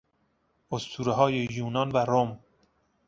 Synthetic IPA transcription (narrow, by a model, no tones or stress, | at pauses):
ost̪ʰuːɾeɦɒːjejuːnɒnvæɾom